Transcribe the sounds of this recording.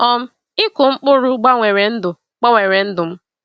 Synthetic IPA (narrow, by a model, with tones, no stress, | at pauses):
ɔ˦m̩˦ | ɪ˦kʊ˨ŋ͡m̩˦k͡pʊ˦ɾʊ˦ɡ͡ba˦ŋʷe˨ɾe˨n̩˦dʊ˨ | k͡pa˦ŋʷe˨ɾe˨n̩˦dʊ˨m̩˦